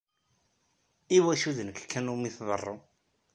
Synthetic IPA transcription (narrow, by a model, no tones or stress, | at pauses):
iwæʃuðənəkkʰːænumiθðˤə̰rˤːo